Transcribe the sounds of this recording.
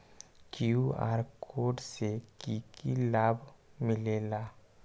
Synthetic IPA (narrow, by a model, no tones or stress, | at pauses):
kjua̰ːɾkʰoːɖsekiːkilaːbʱmɪleːlaː